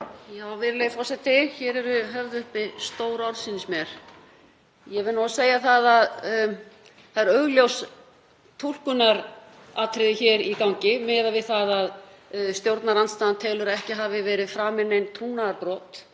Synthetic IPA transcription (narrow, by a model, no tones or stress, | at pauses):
jaːwvɪɾlejfɔsɛt̪ɪçɛɾɛɾʏɦɛvðʏhpɪst̪oːwɾɔɾsinɪsmjɛɾ̥ | jɛvɪnɔɣaseːjaθaðað | θaðɾœɣljows | t̪ʰul̥kʏnaɾ | aːt̪ʰɾɪðɪçɛɾikawɲcɪmɛːðavɪðθaðaðst̪jowɾt̪naɾanst̪aːðant̪ʰɛːlʏɾaɛhcɪɦaːvɪvɛːɾɪðfɾaːmɪnːejnt̪ʰunːaaɾpɾɔːt̪